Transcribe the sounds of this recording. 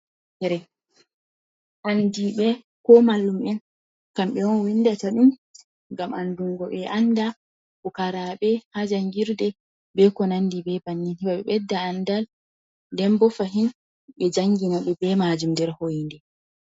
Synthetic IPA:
tɛɾɛ | ʔandiɓɛ | kɔmalːumɛn | kamɓɛwɔnwindataɗum | ŋɡamʔanduŋɡɔɓɛʔanda | kɔkaɾaɓɛhad͡ʒaŋɡiɾdɛ | bɛkɔnandibɛbanːinhiɓaɓɛ̰ɓɛdːaːndal | dɛmbɔfaɦin | ɓɛd͡ʒaŋɡinaɓɛbɛmad͡ʒumdɛɾhojindɛ

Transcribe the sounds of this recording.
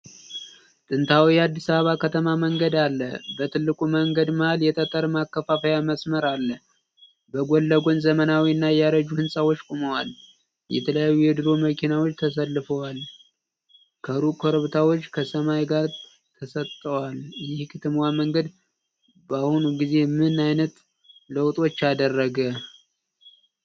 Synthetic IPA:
t̪ʼɨnt̪ʰawijɛad̪ːisaβəβakʰət̪ʰəmaməŋɡəd̪alːə̰bət̪ʰɨlːɨkʼuməŋɡəd̪məhaljɛt̪ʼət̪ʼəɾmakːəfafəjaməsməɾalːə | bəɡʷolːəɡʷo̞nzəmənawiɨnːajɛjaɾəd͡ʒuhɨnsʼawot͡ʃːkʼoməwal | jɛ̰t̪ʰələjajːujɛd̪ɨɾo̞məkʰinawot͡ʃːt̪ʰəsəlːɨfəwal | kʰəɾukʰoɾəβt̪ʰawo̞t͡ʃːkʰəsəmajɡaɾ | t̪ʰəsət̪ʼːəwaljɪhkʰɨt̪ʰɨmwaməŋɡəd̪ | bahunuɡize̞mɨnajnət̪ | ləwt̪ʼo̞t͡ʃːad̪ərːəɡə

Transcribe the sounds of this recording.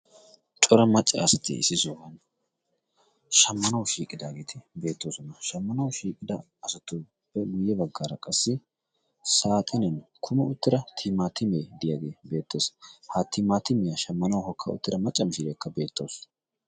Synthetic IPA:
t͡ʃʼɔɾɐmɐt͡ʃʼːɐ̰ːsɐt̪ɪ̰ɪ̰sɪzowɐn | ʃɐmːɐnɐwʃiːkʼɪd̪aːɡeːt̪ʰɪbe̞ːt̪ːoːsɔnɐʃɐmːɐnɐwʃiːkʼɪd̪ɐ | ɐsɐt̪ːʊ | b̥ɛɡʊjːɛbɐɡːaːɾɐkʼɐsːɪ | saːt̪ʼɐnɛnkʰʊmɐʊt̪ːɪɾɐt̪ʰɪmaːt̪ːɪmeːd̪ɪjaɡeːbe̞ːt̪ːeshaːt̪ːɪmaːt̪ːɪmɪjɐʃɐmːɐnɐwɦɔkʰːɐ̰ʊ̰t̪ːɪɾɐmɐt͡ʃʼːɐmɪʃɪɾeːkːɐbe̞ːt̪ːo̰ːs

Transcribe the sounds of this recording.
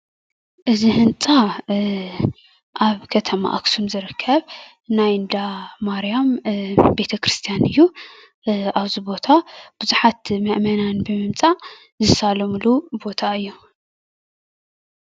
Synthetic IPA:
ʔɨzihɨnt͡sʼa | ʔaβkʰɐt̪ʰɐma̰ʔa̰ksumzɨɾɨkʰːɐβ | najɨnd̪amaɾijambe̞t̪ʰɐkɾɨst̪ʰijanɨjːu | aβzibo̞t̪ʰab̥uzuħat̪mɐʔmɐnanbɨmɨmt͡sʼaʔ | zɨsalɐmlubo̞t̪ʰaɨjːu

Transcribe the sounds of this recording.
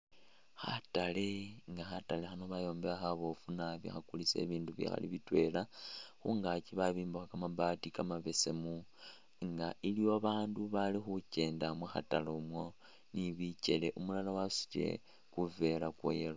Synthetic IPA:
xa̰taleŋɡaxatale̞xano̞βajo̞ːmbeaxaβo̞funaβḭxakulise̞̰ːβiːnduβḭxa̰lḭβitwe̞laxuŋɡat͡ʃiβaβiːmbuxakamaβaːtikamaβe̞se̞mu | ŋɡaʔilijoβaːnduβalixuce̞ːndamwexa̰talomwo̞ | niβice̞le̞ʔumulalawasi̥t͡ʃe̞̰ | kuve̞lakwo̰jelo

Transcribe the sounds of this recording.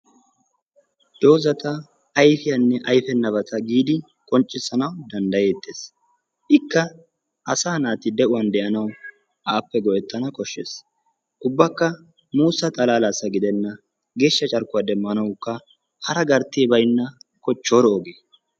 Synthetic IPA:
d̪̥o̞ːzɐt̪ɐː | jfɪjɐnːɛʔɐjfɛnːɐβɐt̪ʰɐɡiːd̪ɪ | kʼɔnt͡ʃʼːɪsːɐnɐwd̪ɐnd̪ɐjeːt̪ːe̞ːs | ʔɪkːɐ | ʔɐsaːnaːt̪ɪd̪ɛʔʊwɐnd̪ɛʔɐnɐw | ʔaːpːɛɡɔʔɛt̪ːɐnɐkʼɔʃːḛːs | ʔʊbːɐkːɐ | muːsɐt̪ʼɐlaːlasɐɡɪd̪ɛnːɐ | ɡe̞ːʃːɐt͡ʃʼɐɾkːʊwad̪ɛmːɐnɐwʊkːɐ | hɐɾɐɡɐɾt̪ːiːbɐjnːɐkɔt͡ʃːoːɾoːɡeː

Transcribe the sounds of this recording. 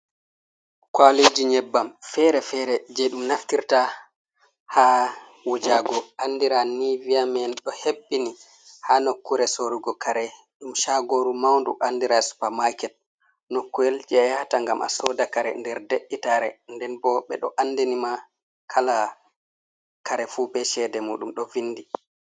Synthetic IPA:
kwaled͡ʒiɲɛbːamfɛɾɛfɛɾɛd͡ʒɛɗumnaftiɾta | ha | wod͡ʒaɡɔʔandiɾaniviamɛnɗɔhebːini | hanokːuɾɛsoɾuɡɔkaɾɛ | ɗumʃaɡoɾumawndṵʔanːdiɾasu̥pamakɛt̚ | nokːuɛld͡ʒɛajhataŋɡamʔa̰sɔdakaɾɛ̰ndɛɾdeɗːitaɾɛ̰ndɛnbɔɓɛ̰ɗɔʔanːdinima | kʰala | kaɾɛfubɛʃɛdɛmuːɗumɗɔvinːdi

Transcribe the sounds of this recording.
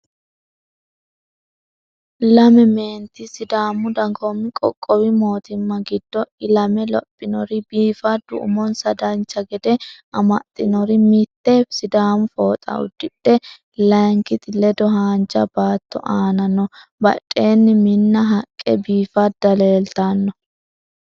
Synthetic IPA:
lɐmɛme̞ːnt̪ɪsɪd̪aːmʊd̪ɐŋɡomːɪkʼɔ̰kʼːɔwɪmo̞ːt̪ɪmːɐɡɪd̪ːɔɪlɐmɛlɔ̰pʼːɪnɔɾɪbiːfɐd̪ʊ̰ʔʊ̰mɔnsɐd̪ɐnt͡ʃːɐɡɛd̪ɛʔɐmɐt̪ʼːɪnɔɾɪmɪt̪ːesɪd̪aːmʊfoːt̪ʼɐ̰ʔʊ̰d̪ːɪɗːɛ | lɐŋkɪt̪ɪlɛd̪ɔɦaːnt͡ʃʼːɐ̰baːt̪ːɔ̰ʔaːnɐnːɔbɐ̰tʼːe̞ːnːɪmɪnːɐɦɐkʼːɛ̰biːfɐd̪ɐle̞ːlt̪anːɔ

